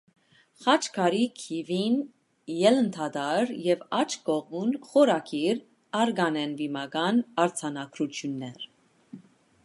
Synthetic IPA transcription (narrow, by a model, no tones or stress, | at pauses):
χɑt͡ʃkʰɑɾikʰivin | jɛlənt̪ʰɑd̪ɑɾjɛvɑt͡ʃʰɡɔʁmunχɔɾɑkʰiɾ | ɑɾɡɑnɛnvimɑɡɑnɑɾt͡sʰɑnɑɡɾut̪ʰjunːɛɾ